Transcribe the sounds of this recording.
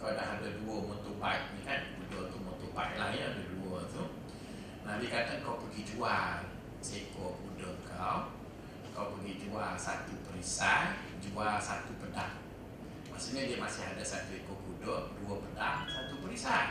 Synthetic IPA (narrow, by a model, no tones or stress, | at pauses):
kawdaɦadaduəmɔnt̪uʔbajʔ̚nikanbudət̪umɔnt̪uʔbaiʔ̚lahjəadəduət̪u | nabikat̪ənkawpəɡid͡ʒual | sekokudəŋkaw | kawpəɡid͡ʒuasat̪upəɾisa | d͡ʒuasat̪upəda̰h | masiɲədiəmasɪhadasat̪uikobudəduəpədasat̪upəɾisa